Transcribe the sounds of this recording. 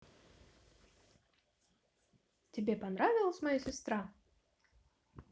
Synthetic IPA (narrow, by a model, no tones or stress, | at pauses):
tʲɪbʲepɐnɾavʲɪlˠəsʲmɐjasʲɪst̪ɾa